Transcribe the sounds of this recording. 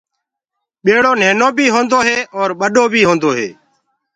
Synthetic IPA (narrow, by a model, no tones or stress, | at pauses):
ɓeːɽoːneːnoːbʱiːɦõːnd̪oːɦeːʔɔːɾɓəɗoːbʱiːɦõːnd̪oːɦḛː